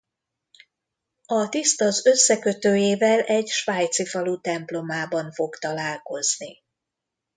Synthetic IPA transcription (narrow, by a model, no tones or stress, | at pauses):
ɒt̪ist̪ɒzø̞sːɛkø̞t̪øːjeːvɛlɛɟʃʋaːjt̪sifɒlut̪ɛmplo̞maːbɒɱfo̞kt̪ɒlaːlko̞zni